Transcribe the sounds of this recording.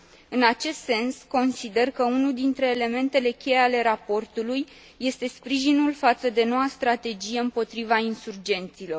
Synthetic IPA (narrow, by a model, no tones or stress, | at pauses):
ɨnat͡ʃe̞st̪se̞nsko̞nsid̪e̞rkəunuld̪int̪ɾe̞ːle̞me̞nt̪e̞le̞kʲe̞jeale̞ɾapo̞rt̪ulujː | e̞st̪e̞spɾiʒinulfat̪səd̪e̞no̞wast̪ɾat̪e̞d͡ʒije̞ɨmpo̞t̪ɾivainsurd͡ʒe̞nt̪silo̞r